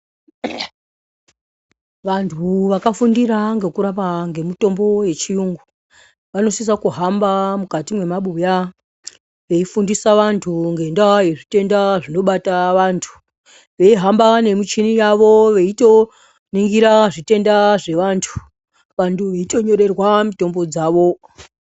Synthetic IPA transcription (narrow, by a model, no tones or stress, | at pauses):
ʋantʰuʋakafundiɾaŋɡe̞kuɾapaŋɡe̞mito̞mbo̞je̞t͡ʃijuŋɡu | ʋano̞sis̬akuɦambamukatimwe̞maɓuja | ʋe̞ifundisaʋantʰuŋɡe̞ndajeʐite̞ndaʐino̞ɓataʋaːntʰu̥ | ʋe̞iɦambane̞mit͡ʃinijaʋo̞ʋe̞ito̞ | niŋɡiɾaʐite̞ndaʐe̞ʋantʰu̥ | ʋantʰuʋeito̞ɲo̞ɾe̞rwamito̞mbo̞d͡zaːʋo̞